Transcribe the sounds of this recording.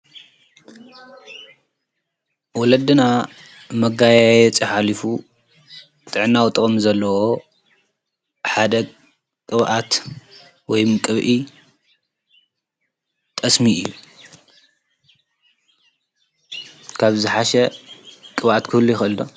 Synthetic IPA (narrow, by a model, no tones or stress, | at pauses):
wɔlɐd̪ɨna | mɐɡajajjɛt͡sʼiħalifu | t̪ʼɨʕnːawt̪ʼɨχʼmzɐlːɐwo | ħad̪ɐ | kʼɨβʔat̪ | wɔjmɨkʼɨβʔi | t̪ʼɐsmiʔɨjːu | kʰaβzɨħaʃɛkʼɨβʔat̪kʰɨhlːujɪxɨld̪o